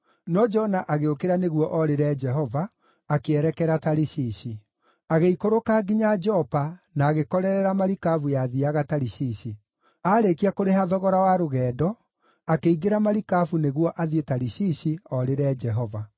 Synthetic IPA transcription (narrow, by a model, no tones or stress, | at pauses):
nɔd͡ʒɔnaʔaɣeokeɾaneɣwɔʔɔɾeɾɛd͡ʒɛɦɔvaː | keɛɾɛkɛɾataɾiɕiɕi | aɣeikoɾokaːɡiɲad͡ʒɔpanaːɣekɔɾɛɾɛɾamaɾikavujaðiaɣataɾiɕiːɕi | aːɾekiakoɾeɦaðɔɣɔɾawaɾoɣɛːdɔ | akeiɣeɾamaɾikafuneɣwɔʔaðietaɾiɕiɕiɔɾeɾɛːd͡ʒɛɦɔva